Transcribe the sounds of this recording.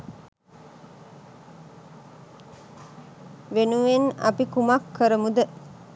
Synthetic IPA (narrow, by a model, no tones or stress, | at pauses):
ʋenuʋenɐ̰pikumakːəɾəmud̪ə